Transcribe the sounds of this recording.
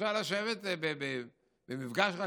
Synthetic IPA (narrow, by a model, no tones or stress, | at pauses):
alaʃevet̪bebe | bemifɡaʃχa